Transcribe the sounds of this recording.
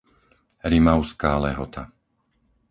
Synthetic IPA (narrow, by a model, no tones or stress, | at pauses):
ɾimaʊskaːlɛɦɔt̪ʰa